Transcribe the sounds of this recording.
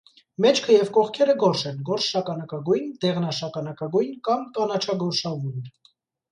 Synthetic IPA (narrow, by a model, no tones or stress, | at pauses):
mɛt͡ʃʰkʰəjɛvkɔχkʰɛɾəɡɔɾʃɛnɡɔɾʃʃɑkɑnɑkɑɡujnd̪ɛʁnɑʃɑkɑnɑkɑɡujnkɑmk̪ɑnɑt͡ʃʰɑɡɔɾʃɑvujn